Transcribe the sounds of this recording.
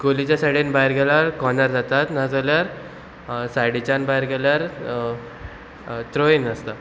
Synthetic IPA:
ɡolit͡ɕjasaɽʰinbaɦiɾɡʱɛljaɾkɔnaɾd͡zat̪at̪nad͡zaljaɾ | saɽit͡ɕanbaɦəɾɡʱɛljaɾ | t̪ɾoinəst̪a

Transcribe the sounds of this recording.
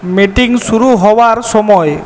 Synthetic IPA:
miʈiŋsuɾuɦɔwaɾsɔmɔj

